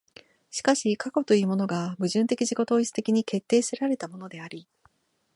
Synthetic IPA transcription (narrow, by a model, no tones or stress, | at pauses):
ɕi̥kaɕikako̞t̪o̞jɯ̟ːmo̞no̞ɡabɯ̟ʑɨ̃nt̪e̞kʲiʑiɡo̞t̪o̞ːit͡sɨ̥t̪e̞kʲiɲ̟ike̞t̪ːe̞ːsɨɾaɾe̞t̪amo̞no̞d̪e̞aɾʲi